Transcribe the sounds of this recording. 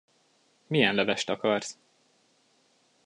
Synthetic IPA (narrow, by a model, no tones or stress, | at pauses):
mijɛnlɛvɛʃt̪ɒkɒrs